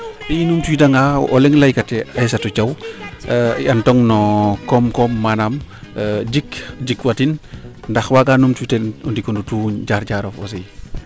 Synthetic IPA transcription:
pijinumtujdaŋaʔɔ̰lɛŋlajkatɛajsɐtut͡ʃɐw | jɐntɔŋnɔkɔmkɔmːanam | d͡ʒikd͡ʒikwatin | ndɐxwakanumtutɛɔndikɔndutuɲɟaɾɟaɾɔfɔ̰sɛj

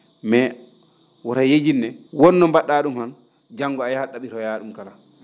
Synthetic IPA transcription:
mɛ | wɔɾajed͡ʒinːɛwɔnːɔmbaɗːaːɗumhan | d͡ʒaŋɡɔajahaɗːaɓiɾɔjaːɗumkala

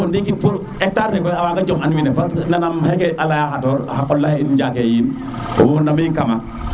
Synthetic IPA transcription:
ondikipuɾ | ɛk̚taɾnekɔjawaɡad͡ʒɔmanwinepasnanamhekeʔalajahatoɾ̰hakɔlːajind͡ʒakejin | o̰monːamiŋkama

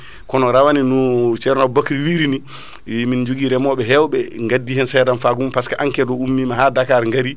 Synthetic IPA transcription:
kɔnɔɾawaninut͡ʃɛɾnabokɾiwiɾini | mind͡ʒuɡiɾɛmɔɓɛɦɛwɓɛŋɡadːihɛnsɛdamfaɡumpaskaʔaŋkɛdɔumːimaɦadakaɾŋɡaɾi

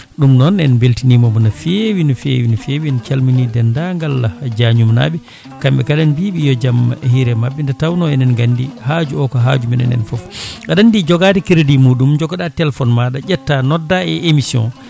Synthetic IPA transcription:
ɗumnɔnɛnbeltinimɔmunafewinɔfḛwinfewiɛnkalminidɛndaŋɡalːad͡ʒaɲumna̰ɓɛ | kambɛkalɛnbiɓijɔd͡ʒamːa̰ʔhiɾɛmabːɛndɛtawnɔɛnɛnɡandihad͡ʒuɔkɔɦa̰d͡ʒumɛnɛ̰nɛ̰nfɔfɡaɗandid͡ʒɔɡadɛkiɾdimuɗumd͡ʒɔɡɔɗatɛlfɔnmaɗad͡ʒɛtːanɔdːaɛʔemisjɔ̰̃n

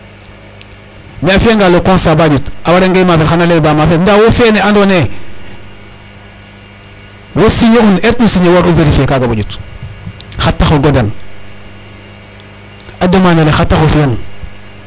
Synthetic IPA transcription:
meafiaŋɡalːokõnsabaɟutawaɾeŋɡajimafelxanalebaːmafendawofeneandoːne | wosijekunetusiɲewoɾuveɾifekaɡabaɟut | xatːaxoɡodan | adomanalexatːaxofian

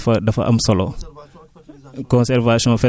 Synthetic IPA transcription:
fɐdɐfɐ̰ʔɐ̰msɐlo | kɔ̃nsɛɾvasiɔ̃ːfɛ

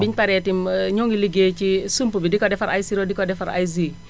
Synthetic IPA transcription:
biɲpaɾɛtimɲoŋiliɡet͡ʃisumpubidikɔdɛfaɾa̰jsiɾodikɔdɛfaɾa̰js̬i

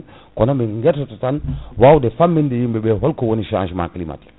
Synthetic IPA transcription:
kɔnombiŋɡɛtototanwawdefamːindejimbɛbɛɦɔlkowoniʃã̰nʃma̰klima̰t

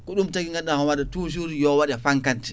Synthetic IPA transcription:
kɔɗumtakiŋɡaɗːamawaɗɛtuːʃ̬uɾijɔwaɗɛfaŋkanti̥

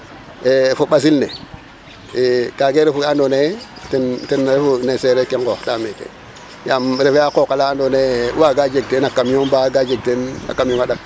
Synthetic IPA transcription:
efoɓas̬ilne | ekaɡeɾefuɡandonetintenɾefuneseɾekeŋkotamekḛ | jamɾefjakokalandonḛwaɡad͡ʒeɡ̚tenakamombaɡad͡ʒeɡ̚tena̰kːamjoŋaɗak̚

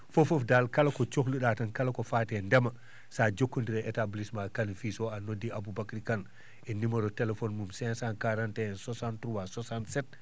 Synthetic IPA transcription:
fofofdalkalakɔt͡ʃoxliɗatɐnkalakɔfatɛndɛma | sad͡ʒokːondiɾɛʔɛtablismakanfisɔanodːiabubakɾikan | ʔɛnimɐɾɔtɛlɛfɔnmumsɛ̃nsankaɾantɛsɔsantɾuwasɔsantsɛt̚

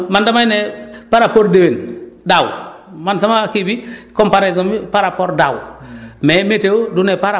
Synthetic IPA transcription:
mandamajnepaɾapoɾdewendawmansamakibikompaɾezombipaɾapoɾdawmemetewodunepaɾa

